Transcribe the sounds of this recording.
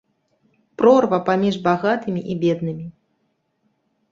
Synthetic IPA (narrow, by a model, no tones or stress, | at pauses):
pɾɔrvɐpamʲiʐbaɣat̪ɨmʲiʔibʲɛd̪̚nɨmʲi